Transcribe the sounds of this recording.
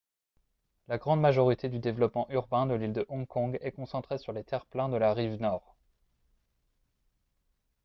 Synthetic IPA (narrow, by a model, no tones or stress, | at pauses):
laɡʁɑ̃d̪maʒɔʁit̪ʰed̪yd̪evlɔpmɑ̃ʔyʁbɛ̃d̪əlild̪əʔɔ̃kʰɔ̃ɡɛkɔ̃sɑ̃t̪χesyʁlet̪ɛʁplɛ̃d̪əlaʁivnɔːʁ